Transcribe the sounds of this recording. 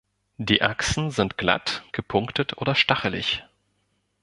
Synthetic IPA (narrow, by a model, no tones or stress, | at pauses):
d̥iːʔa̰ksn̩zɪntɡ̥la̰tɡ̥əpʰʊŋktətʰʔoːdɐʃtaχəlɪ̰ç